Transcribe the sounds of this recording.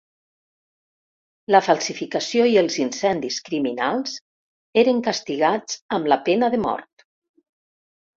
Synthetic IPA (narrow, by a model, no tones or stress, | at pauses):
ləfalˠsifikəsioiəlˠzinsɛnd̪iskɾiminalˠz | eɾəŋkəst̪iɣad͡zəmləpenəðəmɔ̰ɾt̪